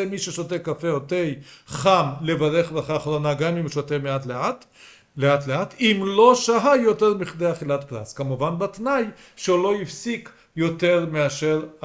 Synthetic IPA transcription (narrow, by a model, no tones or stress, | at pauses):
emiʃeʃot̪ekafeot̪ejχamlevaʁeχbʁaχaːχɾonaɡamimʃot̪emeat̪leat | leat̪leatimlo̞ʃaɦajo̞teʁmiχd̪eaχilat̪pʁa̰skamuvanbat̪naj | ʃeolo̞ifsik | jo̞te̞ʁmeaʃe̞ʁ